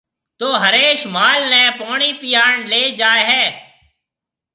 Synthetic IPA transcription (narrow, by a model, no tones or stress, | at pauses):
t̪oːɦəɾeːʃmaːlnɛ̃ːpoːɳiːpɪjaːɳleːd͡ʒaːeɦɛː